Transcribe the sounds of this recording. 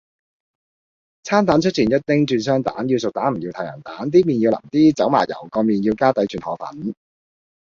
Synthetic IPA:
t͡sʰaː˥nt̪aː˨˥nt͡ʃʰɵ˥t̚t͡ɕʰiː˨˩njɐ˥t̚t̪ɪ˥ŋt͡ʃyː˧nsœː˥ŋt̪a̰ː˨˥njiː˧wsʊ˨k̚t̪aː˨˥nm̩˨˩ji˧wt̪ʰɐ˨˩jɐ̰˨˩t̪aː˨˥nt̪̬iː˥miː˨˩njiː˧wlɐ̰˨˩mt̪iː˥t͡sɐ˨˥wma̰ː˨˩jɐ̰˨˩wkɔː˧miː˨˩njiː˧wkaː˥t̪ɐ˨˥jt͡ʃʰyː˨nhɔː˨˩fɐ̰˨˥n

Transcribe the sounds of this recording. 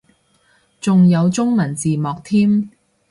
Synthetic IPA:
t͡sʊ˨ŋjɐ˨˧wt͡sʊ˥ŋmɐ˨˩nt͡siː˨mɔː˨k̚t̪ʰiː˥m

